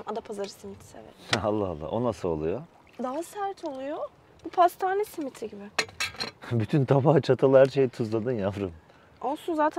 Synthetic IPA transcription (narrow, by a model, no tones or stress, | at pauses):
mad̪apʰazaɾɯsimit̪ʰi̥sḛvɛ̰alˠːaɦalˠːa̰ʔonasɯolˠujo | d̪aɦasæɾt̪ʰo̞lˠujo | b̥upʰast̪ʰaːnɛsimit̪ʰiɟibɪ | byt̪ʰynt̪ʰabaht͡ʃʰat̪ʰalˠɯhæɾʃejit̪ʰuzlˠad̪ɯnjavɾɯm | o̞lˠsunzaːt̪ʰæ